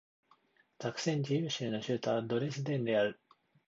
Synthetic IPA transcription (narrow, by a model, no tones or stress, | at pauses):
takɯ̟̥sẽ̞ɲ̟d͡ʑijɯːɕɨːno̞ɕɨːt̪aβad̪o̞ɾesɨd̪ẽ̞nd̪e̞aɾɯ̟